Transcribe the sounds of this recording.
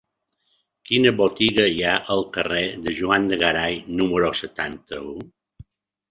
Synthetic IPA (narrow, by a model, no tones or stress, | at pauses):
kinəβot̪iɣəiaʔəlˠkəreðəʒuand̪əɣaɾajnuməɾosət̪ant̪əu